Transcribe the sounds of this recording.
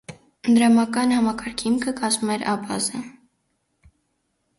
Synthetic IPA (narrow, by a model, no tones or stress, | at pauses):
nd̪ɾɑmɑkɑnhɑmɑkɑɾkʰimkʰəkɑzmumɛɾɑ̰bɑ̰zə